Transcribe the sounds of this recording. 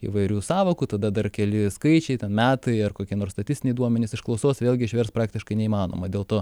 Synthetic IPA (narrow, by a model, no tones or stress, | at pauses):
ḭʋɐɪɾʲuːsɑːʋoːkuːt̪ɐd̪ɐd̪ɐrkʲɛlʲɪskɐɪt͡ʃʲɛɪt̪ʲɛnmʲæːt̪ɐɪɐrkoːkʲiɛnoːrst̪ɐt̪ʲɪstʲɪnʲɛɪd̪uɔmʲɛnʲɪsɪʃklˠɐʊsoːsʋʲeːlʲˠɡʲɪɪʃʲʋʲɛrspɾɑːk̚t̪ʲɪʃkɐɪnʲɛiːmɑːno̰ːmɐd̪ʲeːlˠt̪oː